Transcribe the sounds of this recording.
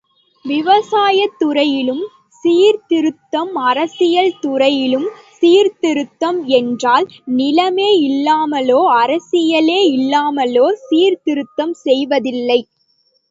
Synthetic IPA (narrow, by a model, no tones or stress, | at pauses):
ʋɪʋɐsaːjɐt̪ːʊɾɐjɪlɯm | siːɾt̪ɪɾɯt̪ːɐmɐɾɐsɪjɐlt̪ʊɾɐjɪlɯmsiːɾt̪ɪɾɯt̪ːɐmɛndraːl | nɪlɐmeːɪlːaːmɐloːɐɾɐsɪjɐleːɪlːaːmɐloːsiːɾt̪ɪɾɯt̪ːɐmsɛjʋɐðɪlːɐɪ